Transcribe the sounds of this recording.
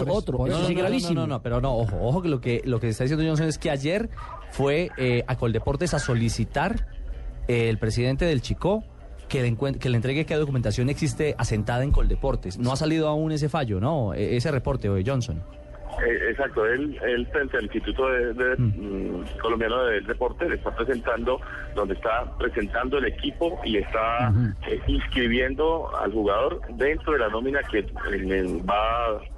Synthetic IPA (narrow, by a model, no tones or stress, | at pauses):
ot̪ɾoɡɾaβisnoinonopeɾonooxooxo̞kelokelokesest̪aðisjnd̪ʝo̞ns̬one̞ske̞aʝe̞ɾ | fwe̞eakold̪e̞po̞ɾt̪e̞saso̞lisit̪aɾ | eːlpɾesiðe̞nt̪e̞ðe̞lt͡ʃiko̞ | keleŋkweke̞lent̪ɾe̞ɣekeðokument̪asjõ̞ne̞ksist̪eʔase̞nt̪aðaeŋko̞ld̪e̞po̞ɾt̪e̞snoasaliðoaune̞s̬efaʝo̞no̞ḛese̞repoɾt̪e̞od͡ʒo̞nsõn | eʔesak̚t̪oelelfɾent̪ealinst̪it̪ut̪oðed̪e | kolombjanoðeelrepo̞ɾt̪elest̪apɾese̞nt̪and̪o̞ | d̪ond̪est̪apɾe̞se̞nt̪and̪oele̞kipo̞ie̞st̪aeinskɾiβje̞nd̪o̞a̰lxuɣað̞oɾ | d̪e̞nt̪ɾoðelano̞minake | eba